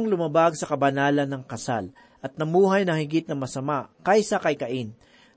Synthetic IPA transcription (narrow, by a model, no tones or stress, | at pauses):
ŋlʊmɐbaɡ̚sɐkɐbɐnaːlɐnːɐŋkɐsa̰l | ʔɐt̪̚nɐmuːɦɐjnɐŋhɪɡɪt̪̚nɐŋmɐsɐmaʔkajsɐkɐjkɐʔɪn